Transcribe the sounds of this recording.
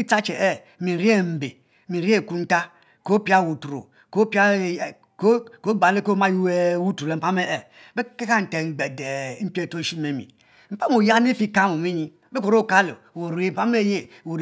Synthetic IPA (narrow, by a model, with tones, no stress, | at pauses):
i˦t͡sa˦t͡ʃe˨ɛ˦˨ | mi˨ɾi˦e˦˨m̩˨be˨ | mi˨ɾi˦e˦˨ku˦n̩˦ta˦ | ko˦pi˦a˦˨wu˨tu˨ɾo̰˨ | ko˦pi˦a˦˨˦ | ko˦ɡ͡ba˨le˦ko˦ma˦ju˦e˦wu˦to˨le˨m̩˨pa˦me˦ɛ˨ | be˦ke˦ka˦n̩˨te˨ŋ˨ɡ͡be˨de˨˦m̩˦pe˦˨to˦˨ʃi˦me˨mḭ˨ | m̩˨pa˦m˦o˨ja˦n˦e˦fi˦ka˦mo˨mi˦ɲi˦ | be˦ko˨ɾo˦˨ka˦lo̰˨ | wo˨ɾe˨m̩˨pa˦me˦je˦ | wo˨ɾ